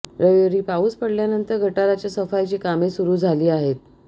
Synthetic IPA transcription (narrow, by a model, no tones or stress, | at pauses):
ɾəjoɾiːpauːspəɽljanənt̪əɾɡʱəʈaɾat͡ɕjasəfajt͡ɕiːkamesuɾuːd͡zʱaliːaɦet̪̚